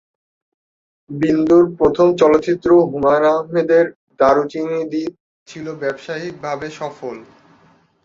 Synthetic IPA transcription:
bind̪uɾpɾot̪ʰomt͡ɕɔlot̪ːɕit̪ːɾoɦumanaɦmed̪eɾ | d̪aɾot͡ɕinid̪i | t͡ɕʰilobɛbʃaɦik̚bʱabeʃɔfol

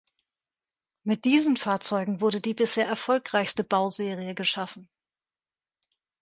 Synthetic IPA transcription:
mɪt̚d̥iːzənfaːɐt͡sɔʏɡŋ̩vʊɐdədiːbɪsheːɐʔɛɐfɔlkʁ̥aɪçstəbaʊzeːʁiəɡəʃafn̩

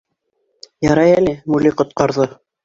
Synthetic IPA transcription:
jɑɾɑjælɘmuliqŏt̪̚qɑɾðɤ

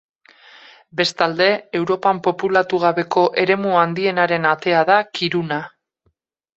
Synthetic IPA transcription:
be̞st̪ald̪e̞ewɾo̞pampo̞pulat̪uɣ̞aβe̞ko̞ʔe̞ɾe̞muand̪ie̞naɾe̞nat̪e̞aðakiɾuna

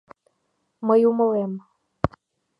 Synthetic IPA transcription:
məjuməlem

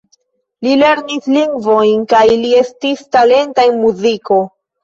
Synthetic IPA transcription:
lile̞ɾnisliŋɡvo̞jnkajlie̞stistale̞ntajnmuziko̞

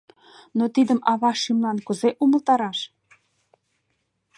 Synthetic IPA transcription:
not̪id̪əmɑβɑʃimlɑnkəzeʔuməlt̪ɑɾɑʃ

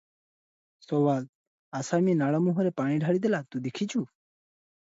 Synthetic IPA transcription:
sɔwad̪̚ | asaminaɭɔmuɦɔɾɛpaɽ̃iɖʱaɽid̪ɛlat̪ud̪ekʰit͡ʃʰu

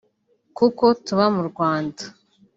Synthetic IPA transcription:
kuko̞tuβamuɾɡwaːndḁ

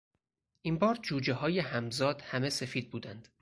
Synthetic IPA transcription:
ʔimbɒːɾd͡ʒuːd͡ʒeɦɒːjehæmzɒːd̪̥hæme̞se̞fiːd̪̚buːd̪ænd̪̥

